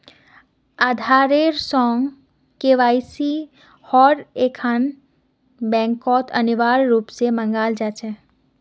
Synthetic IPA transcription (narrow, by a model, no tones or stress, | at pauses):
aːd̪ʱaːɾeːɾsɔːŋɡ | keʋaːisi | hɔːɾeːkʰan | bɛ̃ːŋkɔːt̪ɐ̰niʋaːɾɾuːpsemə̃ŋɡaːld͡ʒaːt͡ʃɛː